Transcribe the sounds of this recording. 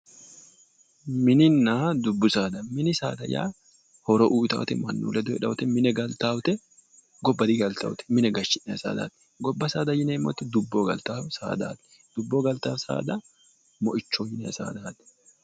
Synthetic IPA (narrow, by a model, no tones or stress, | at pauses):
mɪnɪnːaːd̪ʊbːʊsaːd̪ɐmɪnɪsaːd̪ɐja̰ː | hɔɾɔʔuːt̪ɐ̰wt̪ɛmɐnːṵːlɛd̪ɔɛᶑɐwʊt̪ɛmɪnɛɡɐlt̪awt̪ɛ | ɡɔbːɐd̪iɡɐlt̪ɐ̰wʊt̪ɛ̥mɪnɛɡɐʃɪnnɛɐsa̰ːd̪a̰ːt̪ɛ̥ | ɡɔbːɐsaːd̪ɐjɪneːmɔ̰t̪ːɛd̪ʊbːoːɡɐlt̪aːwsa̰ːd̪a̰ːt̪ɛ̥ | d̪̥ʊbːoːɡɐlt̪aːwsa̰ːd̪ɐ | mɔʔɪt͡ʃːoːjɪnɛɐsa̰ːd̪aːt̪ɛ̥